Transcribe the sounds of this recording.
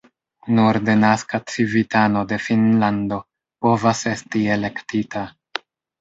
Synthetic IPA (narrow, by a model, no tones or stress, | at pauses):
nuɾde̞naskat͡sivitano̞de̞finlando̞ | po̞vase̞stiele̞ktita